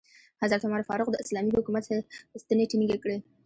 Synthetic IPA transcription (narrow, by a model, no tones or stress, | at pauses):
hazaɾt̪amɑɾfɑɾʊqd̪əɪslɑmiɦʊkumat̪saust̪əneʈiniɡekɽe